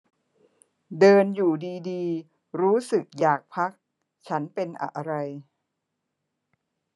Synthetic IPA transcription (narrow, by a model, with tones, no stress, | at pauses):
dɤː˧njuː˨˩diː˧diː˧ | ɾuː˦˥sɯ˨˩k̚jaː˨˩k̚pʰa˦˥k̚ | t͡ɕʰa˦˥npe˧nʔa̰˧ʔa˧ɾa˧j